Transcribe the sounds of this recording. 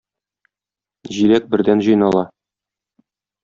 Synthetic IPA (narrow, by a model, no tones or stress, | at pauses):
ʑilæk̚bɘ̆ɾd̪ænʑɤ̆jnɑlˠɑ